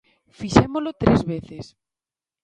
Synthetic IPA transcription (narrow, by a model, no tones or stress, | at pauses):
fiʃemolot̪ɾezβeθes